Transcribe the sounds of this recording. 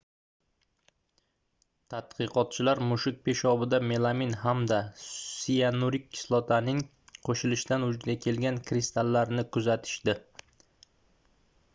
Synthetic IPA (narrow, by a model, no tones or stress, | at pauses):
t̪ʰat̪̚qʰɨqɒt̪̚t͡ʃʰɪlaɾmʊʃɪk̚ʲpʰe̞ʃɒbɪd̪ame̞lˠaminɦamd̪asijanuɾɪkʲːɪ̥slˠɒt̪ʰanɪŋ | qʰoʃɪlɪʃd̪anʊd͡ʒd̪ʲakʲʰe̞lɡʲankʰɾɪst̪ʰalːaɾnɪkʰʊzat̪ʰɪ̥ʃd̪ɪ